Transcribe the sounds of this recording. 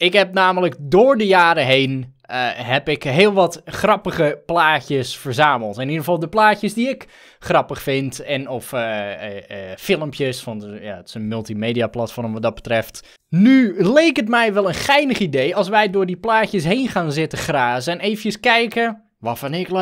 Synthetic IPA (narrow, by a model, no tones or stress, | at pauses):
ɪkɦɛp̚naːmələkdoːɹdəjaːɾəɦejn | ɦɛpɪkɦɪːlˠʋɔtχrɑpəɣəplaːtjəsfərzaːməlˠtɪnidəɣəfɑlˠdəplaːcjəsdiɪk | χrɑpəχfɪntɛnɔf | fɪlˠəmpjəsfɔnja̰tɪ̥sənmɵlˠtimeːdiaplˠatfɔrmʋɔt̚dɔt̚bətrɛft | nylejkətmɛjʋɛlˠənxɛjnəχidejɑlˠs̬ʋɛjdʊːɹdiplaːçjəsɦejnχaːnzɪtəχraːsɛnejfəjəskɛjkə | ʋafanɪk